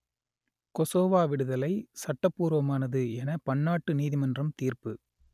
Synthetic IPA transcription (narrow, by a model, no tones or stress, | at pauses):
kɔsoːʋaːʋɪɽɯðɐlɐɪsɐʈːɐpːuːɾʋɐmaːnɐðɯɛnɐpɐɳːaːʈːɯniːðɪmɐndrɐmt̪iːrpɯ